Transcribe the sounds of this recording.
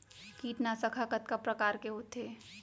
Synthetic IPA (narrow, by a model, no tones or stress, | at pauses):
kiːʈnasəkʰakət̪kapɾɐkaːɾkeɦoːt̪eː